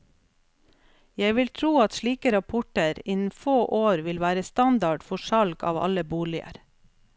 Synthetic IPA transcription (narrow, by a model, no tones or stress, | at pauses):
jæɪʋɪlt̪ʰɾuːɑt̪ʃliːkəɾɑpʰɔʈəɾɪnn̩foːʔoːɾʋɪlʋæːɾəst̪ɑnd̪ɑɖfɔʃɑlɡɑ̰ːʋɑ̰ləbuːɭɪə̰ɾ